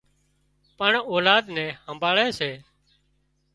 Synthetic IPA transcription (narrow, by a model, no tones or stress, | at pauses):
pəɳoːlaːd̪nɛ̃ːhəmbʱaːɭɛːseː